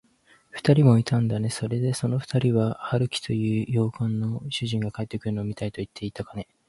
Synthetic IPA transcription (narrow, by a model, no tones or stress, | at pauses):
ɸɯ̟̥t̪aɾʲimo̞it̪ãnd̪ane̞so̞ɾe̞d̪e̞so̞no̞ɸɯ̟̥t̪aɾʲiβahaɾɯ̟kʲi̥t̪o̞jɯ̟ːjo̞ːkãnːo̞ɕɨʑĩŋɡakae̞t̪ːe̞kɯɾɯ̟noːmit̪ait̪o̞it̪ʰːe̞it̪akane̞